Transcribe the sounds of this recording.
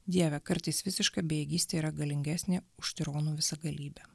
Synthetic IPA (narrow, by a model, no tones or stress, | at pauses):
d̪ʲiɛʋʲɛkɐɾt̪ɐɪsʋʲɪsʲɪʃkɑːbʲejɛɡʲiːsʲt̪ʲeːiːɾɐɡɐlʲɪŋʲɡʲæːsʲnʲeːʊʃʲt̪ʲɪɾoːnuːʋʲɪsɐɡɐlʲiːbʲɛ